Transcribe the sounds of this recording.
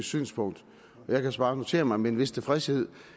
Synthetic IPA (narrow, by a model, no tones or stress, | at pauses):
sy̰ːnspʰɔ̽ŋ̰d̥ | ɒjɑ̈ɪkʰæsb̥ɑ̈ːno̝t͡sʰe̝̰ːɐmɑ̈ɪmeenʋe̝st͡sʰe̝fʁɛshe̝ð̞̰ˠ